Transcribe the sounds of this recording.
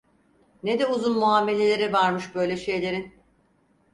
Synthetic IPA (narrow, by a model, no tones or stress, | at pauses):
ned̪ɛuzunmuaːme̞lʲe̞lʲe̞ɾɛvaɾmɯʃbø̞jlʲeʃe̞jlʲe̞ɾin